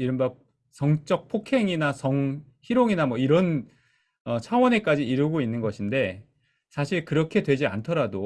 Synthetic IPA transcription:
iɾɯmba | sʌŋt͡ɕ͈ʌk̚pʰokʰe̞ŋinasʌŋ | çiɾoŋinamwʌiɾʌn | ʌt͡ɕʰawʌne̞k͈ad͡ʑiːɾɯɡoinːɯnɡʌɕʰinde̞ | sʰaɕʰiɭkɯɾʌkʰe̞dwe̞d͡ʑia̰ntʰʌɾado

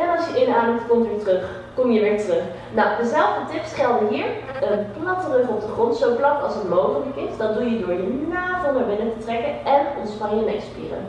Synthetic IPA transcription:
ɛnɑlˠsjəʔɪndəaːndəftkɔmtʋɪːɹtrɵχ | kɔmjəʋɪːɹtrɵχ | nawdəzɛlˠvdətɪpsχɛlˠdəɦiːɹ | əplɑtərəχɔp̚dəχrɔntsowplɑkɑ̰lˠsətlowχənəkɪsdɑndujədʊːɹjənaːvɪlˠmaɹbɪnətətrɛkəʔɛnɔnsfɑjəmɛ̰spḭːrə̰n

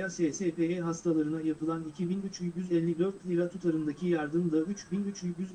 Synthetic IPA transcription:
asesepeeɦast̪ʰalˠaɾɯnajapʰɯlˠanicʰibinyt͡ʃyɟyzɛlʲːiɡɾøɾkʰlʲiɾat̪ʰut̪ʰaɾɯnd̪acʰijaɾd̪ɯmd̪ayt͡ʃbinyt͡ʃyɟyz

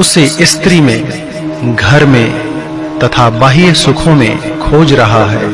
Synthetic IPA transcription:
ʊseʔɪst̪ɾimẽ | ɡʱɐɾmẽ | t̪ɐt̪ʰabaːɦisʊkʰõmẽkʰoːd͡ʒɾɐɦaɦɛː

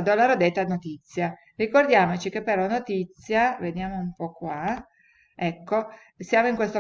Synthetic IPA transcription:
d̪olːaɾod̪et̪ːanot̪it̪sːja | rikord̪jaːmot͡ʃikepːerlanot̪it̪sːjaved̪jaːmoumpɔkːwa | ɛkːo | sjaːmoiŋkwest̪o

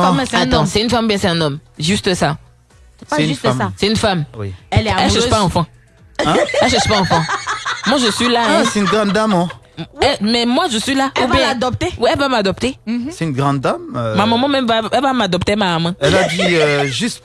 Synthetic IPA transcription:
saɑ̃sɛynfamubjɛ̃sɛ̃nɔmʒyst̪əsa | ɛɛfaasɛynfamwilɛɛləspaɑ̃fɑ̃ | ɛlʒəsypaɑ̃fɑ̃mwaʒəsɥilãasɛynɡʁɑ̃d̪d̪amɔ̃ | wɛmɛmwaʒəsɥilaubjɛ̃d̪ɔp̚t̪ewiɛlvamad̪ɔpt̪esɛynɡʁɑ̃d̪d̪ammamãmɑ̃mɛ̃mvaɛlvamad̪ɔp̚t̪emaamãɛlad̪iøʒyst̪

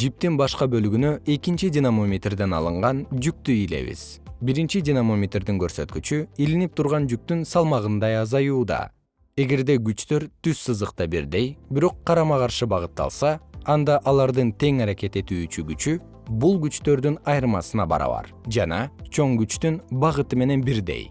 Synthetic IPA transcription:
d͡ʒip̚t̪inbɑʃqɑbø̞lɡynøʔe̞kint͡ʃidʲinamomʲet̪rd̪e̞nɑ̰lˠɯɴʁɑnd͡ʒyk̚t̪yile̞̰βḭz̥biɾint͡ʃidʲinamo̞mʲet̪rd̪iŋkøɾsø̞̰t̪kyt͡ʃyilinip̚t̪ʰuɾʁɑnd͡ʒyk̚t̪ynsɑlˠmɑʁɯnd̪ɑjɑzɑjuːd̪ɑ̰ | e̞ɡe̞ɾd̪e̞ɡyt͡ʃt̪ø̞ɾt̪yssɯzd̪ɯqt̪ɑbiɾd̪e̞jbiɾo̞qʰːɑɾɑmɑʁɑɾʃɯbɑʁɯt̪ːɑ̰lˠsɑɑnd̪ɑʔɑlˠɑɾd̪ɯnt̪ʰe̞ŋɑɾake̞t̪e̞t̪yːt͡ʃyɡyt͡ʃy | bulˠɡyt͡ʃt̪ø̞ɾd̪ynɑjɾɯmɑsɯnɑbɑ̰ɾɑ̰βɑ̰ɾ | d͡ʒɑnɑt͡ʃʰo̞ŋɡyt͡ʃt̪ynbɑʁɯt̪ɯme̞ne̞nbiɾd̪e̞̰j

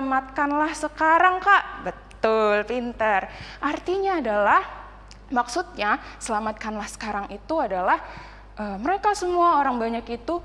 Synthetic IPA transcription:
amat̪̚kanlahsəkaɾaŋkaʔbət̪ʊlpint̪ərʔart̪iɲaːdalah | maksut̪̚ɲasəlamat̪̚kanlahsə̥kaɾaŋit̪uadalah | ʔəməɾekasəmuaoɾaŋbaɲakit̪u

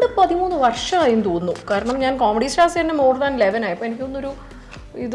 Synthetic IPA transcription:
ɖɨpɐðimuːnːɨʋɐrʂɐaːjunt̪oːnːukaːɾɐɳɐmɲaːnkoːmeɽisʈaːsenːemoːɽðaːnileʋɐnaːjipːoːenikʲːo̞nːo̞ɾu | ið

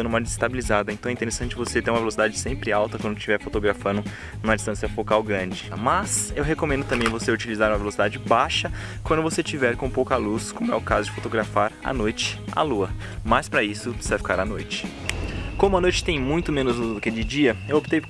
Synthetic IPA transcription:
numɐd͡ʒɪzɪst̪abilizad̪ɐẽt̪ɐ̃ɛĩt̪eɾesɐ̃t͡ʃɪvoset̪ẽũmɐvelosid̪ad͡ʒɪsẽmpɾɪawt̪ɐkwɐ̃nd̪ʊt͡ʃivɛɾfot̪oɡɾafɐ̃nʊ | nũmɐd͡ʒist̪ɐ̃sjɐfokawɡɾɐ̃d͡ʒɪmɐsewɦekõmẽnd̪ʊt̪ɐ̃mbẽj̃voseut͡ʃilizaɾũmɐvelosid̪ad͡ʒɪbaʃɐ | kwɐ̃nd̪ʊvoset͡ʃivɛɾkõpowkɐluskõmʊɛ̰ʊkazʊd͡ʒɪfot̪oɡɾafaɾɐ̰nojt͡ʃɪ̥a̰luɐ | majspɾɐisʊsvajfi̥kaɾanojt͡ʃɪ̥ | kõmʊɐnojt͡ʃɪ̥t̪ẽj̃mũj̃t̪ʊmẽnʊzluzd̪ʊked͡ʒɪd͡ʒiɐewop̚t̪ej

